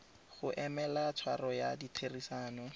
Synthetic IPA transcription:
χʊʔɛmɛlat͡sʰwarɔjaditʰerisaːnɔ

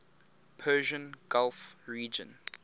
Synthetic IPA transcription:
pʰɜːʒə̃nɡ̥alfɹiːd͡ʒə̰̃n

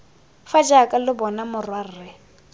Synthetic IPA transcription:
fad͡ʒakʼalɪbɔnamʊrwarɪ

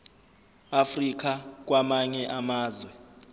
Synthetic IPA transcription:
afrik̬ak̬wamaɲɛʔamaːzwɛ

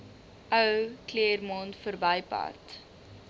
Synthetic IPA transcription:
ʔəwkliərmɔntfərbəjpɑ̰t

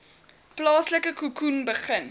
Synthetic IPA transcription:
plɑːsləkəkukunbəχən

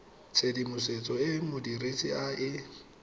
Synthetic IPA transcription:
t͡sʰedimʊset͡sʼɔɪmʊdiret͡sʼiaʔɪ

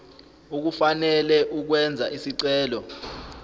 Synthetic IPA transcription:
uk̬ufanɛlɛʔuk̬wɛnd͡zʱa̰ʔisiǀɛːlɔ

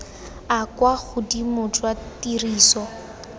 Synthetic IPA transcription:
akwaχʊdimʊtwatiriːsɔ

